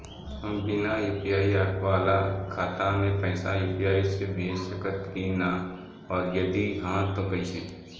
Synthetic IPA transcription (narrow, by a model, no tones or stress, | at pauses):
ɦɐ̃mbɪnauːpijaːiaːkwaːlakʰaːt̪amẽpəɪsajuːpijaːisebeːʃəkət̪kina | ɔːɾjɐd̪iɦãt̪okɐiseː